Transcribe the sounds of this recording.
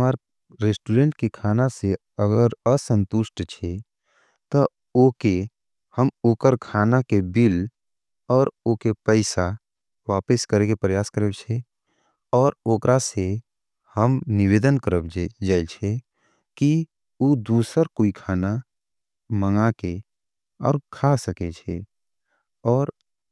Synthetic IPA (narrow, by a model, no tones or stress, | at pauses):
maːɾ | ɾesʈuɾẽːɳʈkekʰaːnase | əɡəɾəsə̃nt̪ʊʃʈt͡ʃʰe | t̪ɔ | oːke | həmoːkəɾkʰaːnakebɪl | ɔːɾoːkepɛɪsa | ʋaːpəskəɾekepɾəjaːskəɾebt͡ʃʰe | ɔːɾoːkɾase | həmnɪʋeːd̪ənkəɾəbd͡ʒaːet͡ʃʰe | ki | uːd̪uːsəɾkoːikʰaːna | məŋake | ɔ̰ːɾkʰasəket͡ʃʰe | ɔːɾ